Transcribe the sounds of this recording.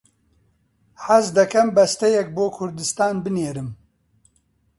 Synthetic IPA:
ħazd̪ɐkʰɐmbɐst̪ɛjɛk̚boːkʰʊɾd̪ɨst̪aːnbɨneːɾɨm

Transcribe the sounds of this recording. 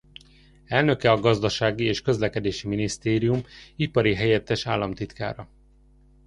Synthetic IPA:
ɛlnø̞kɛɒɡɒzd̪ɒʃaːɡieːʃkø̞zlɛkɛd̪eːʃiminist̪eːɾijumipɒɾiɦɛjɛt̪ːɛʃaːlːɒmt̪it̪ka̰ːɾɒ

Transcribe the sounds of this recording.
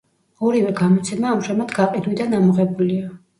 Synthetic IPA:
ɔɾivɛɡamɔt̪sʰɛmaːmʒamad̪ɡaqʼid̪wid̪anamɔʁɛbulia

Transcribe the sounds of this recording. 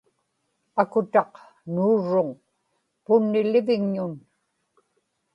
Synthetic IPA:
akʊt̪ɑq | nuːɻːʊŋ | pʊnːɪlɪvɪŋɲʊn

